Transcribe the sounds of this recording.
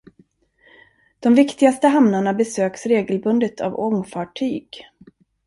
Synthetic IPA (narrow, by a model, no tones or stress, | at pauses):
d̪̥ɔmvɪkt̪ɪɡast̪əɦamnaɳabɛsøːksɾeːɡəlbɵnd̪ət̪ʰa̰vɔŋfɑːʈʰyːɡ̥